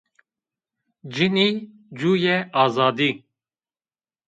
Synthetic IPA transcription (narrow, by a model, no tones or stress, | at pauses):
d͡ʒini | d͡ʒuːjɛʔɑːzɑːd̪iː